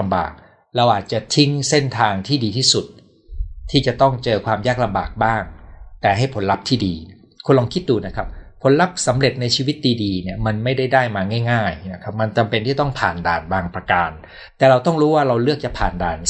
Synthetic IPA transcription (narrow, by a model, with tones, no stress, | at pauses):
mba̰ː˨˩k̚ | ɾa˧wʔaː˨˩t̪̚t͡ɕa˨˩t̪ʰi˦˥ŋse˥˩nt̪ʰaː˧ŋt̪ʰiː˥˩diː˧t̪ʰiː˥˩su˨˩t̪̚ | tʰːiː˥˩t͡ɕa˨˩t̪ɔ˥˩ŋt͡ɕɤː˧kʰwaː˧mjaː˥˩k̚la˧mba̰ː˨˩k̚baː˥˩ŋt̪ɛː˨˩ɦa˥˩jpʰo˩˦nla˦˥p̚t̪ʰiː˥˩diː˧ | kʰu˧nlɔ˧ŋkʰi˦˥t̪̚duː˧na˦˥kʰa˦˥p̚pʰːo˩˦nla˦˥p̚sa˩˦mɾe˨˩t̪̚na˧jt͡ɕʰiː˧wi˦˥t̪̚diː˧diː˧ni˥˩ɐma˧nma˥˩jda˥˩jdaː˥˩jmaː˧ŋaː˥˩jŋaː˥˩jna˦˥kʰa˦˥p̚ma˧nt͡ɕa˧mpe˧nt̪ʰiː˥˩t̪ɔ˥˩ŋpʰaː˨˩ndaː˨˩nbaː˧ŋpɾa˧kaː˧n | t̪ɛː˨˩ɾa˧wt̪ɔ˥˩ŋɾuː˦˥waː˥˩ɾa˧wlɯ˥˩ək̚t͡ɕa˨˩pʰaː˨˩nda̰ː˨˩n